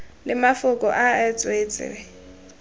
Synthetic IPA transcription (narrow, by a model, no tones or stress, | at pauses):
lɪmafʊkʼɔʔaɛt͡sʼwet͡sʼɪ̰ɛ